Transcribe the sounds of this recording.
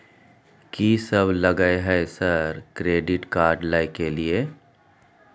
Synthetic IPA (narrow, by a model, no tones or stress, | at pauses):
kiːsɐblɐɡaeɦɛesɐɾkɾeːɖɪʈkaːɾɖlaːjkelie